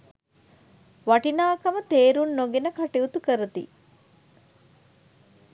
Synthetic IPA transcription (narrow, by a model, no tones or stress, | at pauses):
ʋɐʈinaːkɐmət̪eːɾunːoɡenəkaʈiut̪ukəɾət̪ḭ